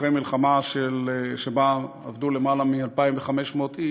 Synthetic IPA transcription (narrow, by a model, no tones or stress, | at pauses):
ʁemilχamaʃeleʃeba | avd̪ule̞malamialpaimveχame̞ʃmo̞t̪i